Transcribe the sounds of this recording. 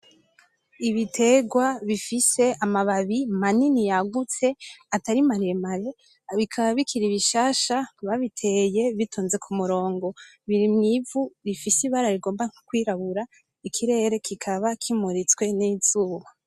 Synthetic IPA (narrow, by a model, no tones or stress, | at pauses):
iβitʰe̞ɡwaβifise̞amaβaβimaninijaɡut͡se̞ataɾimaɾeemaɾe̞ | βikʰaβaβikʰiɾiβiʃaːʃaβaβitʰe̞je̞βitʰuːnze̞kʰumuɾo̞ːŋɡo̞ | βiɾimŋivuβifisiβaɾaɾiɡo̞ːmbaŋ̥okwiːɾaβuɾa | ikʰiɾe̞ːɾe̞kikʰaβakʰimuɾit͡swe̞niz̥uβa